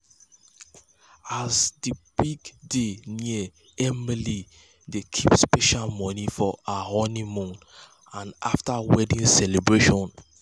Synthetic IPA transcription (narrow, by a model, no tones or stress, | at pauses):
azdibiɡdeniə | ɛmili | dekʰipspɛʃalmɔnifɔahɔnĩmɔ̃n | ãnaftawɛdĩnsɛlebɹeʃɔ̃n